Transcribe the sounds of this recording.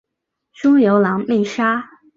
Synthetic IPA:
ʂʊ˥ŋjo˧˥ʊlɑ˧˥ŋmi˥˩ʂa˥

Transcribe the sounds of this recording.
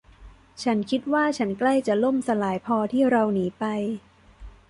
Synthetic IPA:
t͡ɕʰa˦˥nkʰi˦˥t̪̚waː˥˩t͡ɕʰa˦˥nkla˥˩jt͡ɕa˨˩lo˥˩msa˧laː˩˦jpʰɔː˧t̪ʰiː˥˩ɾa˧wniː˩˦pa˧j

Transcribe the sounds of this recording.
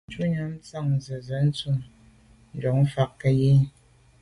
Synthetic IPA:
t͡ʃu˦ɲa˦m˦t͡sa˦˨ŋ˨zə˨zə˨˦n̩˦t͡su˦m | n̩˨dɔ˨ŋ̩˦fa˨kkə˦je˦

